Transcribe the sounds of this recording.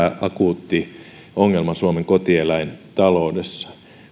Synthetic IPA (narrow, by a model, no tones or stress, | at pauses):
ɑkuˑt̪ːi | oŋːelmɑsuomeŋkot̪ielæint̪ɑloudesːɑ̥